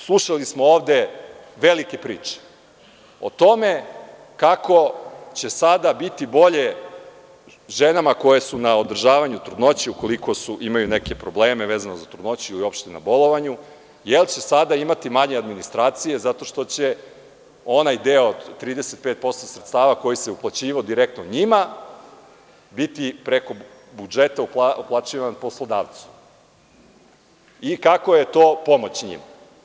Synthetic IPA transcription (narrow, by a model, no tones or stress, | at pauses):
slˠuʃalismooːʋd̪e̞ʋelike̞pɾiːt͡ʃe̥ | o̞̰t̪o̞me̞ | kako̞t͡ɕe̞sad̪abit̪ibo̞ʎe | ʒenamako̞jesunaod̪r̩ʒaːʋaɲut̪ɾud̪no̞t͡ɕiuko̞liko̞suʔimajuneke̞pɾo̞bleːmeʋeːzanozat̪ɾud̪no̞t͡ɕuilio̞pʃt̪ena̰bo̞lˠo̞ʋaɲu | jelt͡ɕesad̪aimat̪imaɲead̪minist̪ɾaːt̪sije̞zat̪o̞ʃt̪o̞t͡ɕe | o̞najd̪eod̪t̪ːɾiːd̪eset̪̚pet̪̚po̞st̪osɾet̪st̪aːʋako̞jise̞uplˠat͡ɕiːʋaod̪iɾek̚t̪noɲima | bit̪ipɾeko̞ | bud͡ʒet̪aupauplˠat͡ʃiʋanpo̞slˠod̪aːʋt̪su̥ | ikako̞je̞t̪o̞ːpo̞mo̞t͡ɕɲḭma